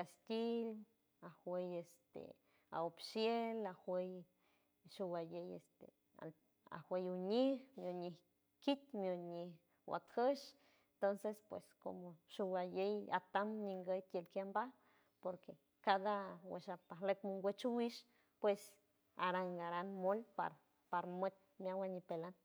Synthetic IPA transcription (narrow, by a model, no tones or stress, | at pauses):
kast̪ʲil | ahwejest̪ḛ | a̰opʃjelahwej | ʃuwajejḛst̪ḛ | a̰ | a̰hwejuɲihmjoɲih | kit̪mjoɲih | wa̰k̪həʃ | ent̪onsespwḛsko̰moʃuwajeja̰t̪amɲiŋɡəjt̪jelkjamba | poɾke | kad̪awḛʃapaɦlekmuŋɡʷet͡ʃuwiʃ | pwes | aɾaŋɡaɾanmolpa̰ɾ | paɾmet̪̚ | mjawaɲipelan